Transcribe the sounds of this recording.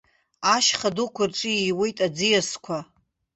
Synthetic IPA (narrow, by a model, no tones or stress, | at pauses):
aʃχadukʷʰarʈ͡ʂʼɨjejwe̞jtʼad͡zijaskʷʰa